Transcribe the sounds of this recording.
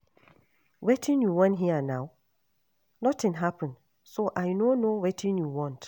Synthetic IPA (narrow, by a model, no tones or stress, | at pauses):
wetʰɪ̃njuwɔ̃nɦianãw | nɔtʰɪ̃nɦapʰə̃n | soʔajnonowetʰɪ̃njuwɔ̃nt